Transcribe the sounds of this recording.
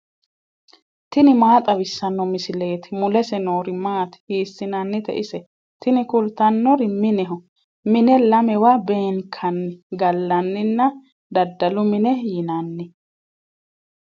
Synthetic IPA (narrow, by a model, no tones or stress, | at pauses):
t̪ɪnɪmaːt̪ʼɐβɪsːɐnːɔmɪsɪle̞ːt̪ɪmʊlɛsɛnoːɾɪmaːt̪ɪ̥hiːsːɪnɐnːɪt̪ɛ̰ʔɪsɛ | t̪ɪnɪkʊlt̪ɐnːɔɾɪmɪnɛɦɔ | mɪnɛlɐmɛwabe̞ːŋkʰɐnːɪɡɐlːɐnːɪnːɐ | d̪ɐd̪ːɐlʊmɪnɛjɪnɐnːɪ